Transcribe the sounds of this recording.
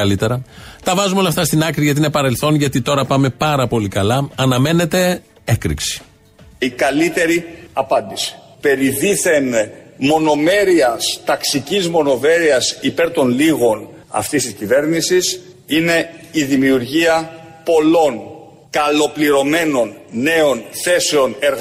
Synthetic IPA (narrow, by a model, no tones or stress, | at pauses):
ɐlit̪e̞ɾɐt̪ɐvɐzumeo̞lɐft̪ɐst̪inɐkɾiʝɐt̪iinepɐɾe̞lθo̞nʝɐt̪it̪o̞ɾɐpɐme̞pɐɾɐpo̞likɐlɐɐnɐme̞ne̞t̪e̞ | ekɾḭksi̥ | ikɐlit̪e̞ɾiɐpɐnd̪isi̥ | pe̞ɾiðiθe̞nmo̞no̞me̞ɾiɐst̪ɐksicizmo̞no̞ve̞ɾiɐsipe̞ɾt̪o̞nliɣo̞n | ɐ̰ft̪ist̪iscive̞ɾnisis | ine̞iðimiuɾʝiɐ | po̞lo̞n | kɐlo̞pliɾo̞me̞no̞nne̞o̞nθe̞seo̞neɾɣ